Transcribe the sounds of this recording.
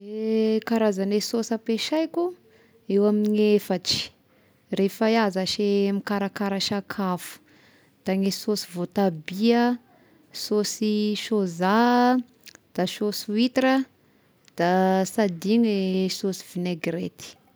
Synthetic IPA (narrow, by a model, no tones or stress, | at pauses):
ekaɾazanesosapeʃajku | ewamiɲefaʈ͡ʂi̥ | refajazaʃemikaɾakaɾaʃakʰafu̥ | d̪̥aŋesosivot̪abiə | sosiʃoza | d̪̥aʃosuit̪ɾə | d̪̥asad̪iŋesosi̥vineɡret̪i̥